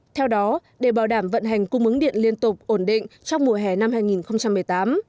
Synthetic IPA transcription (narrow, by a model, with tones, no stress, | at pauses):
t̪ʰɛ˧wɗɔ˨˦ɗe˧˩ɓaː˧˩wɗaː˧˩mvə̰˧˨nɦa˨˩jŋ̟kʊ˧ŋ͡mʔɨ˨˦ŋɗḭ˧˨ənli˧ənt̪ʊ˨˩k͡p̚ʔo˧˩nɗḭ˧˨ŋ̟t͡ɕɔ˧wŋ͡mmu˨˧˩əɦɛ˧˩na˧mhaː˧jŋi˨˩nxə˧wŋ͡mt͡ɕa˧mːɨ˨˩əjt̪aː˨˦m